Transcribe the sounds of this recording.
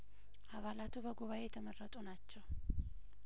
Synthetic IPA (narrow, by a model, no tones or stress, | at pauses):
ʔaβalat̪ʰubəɡuβaʔe̞jɛt̪ʰəmərːət̪ʼunat͡ʃːɛw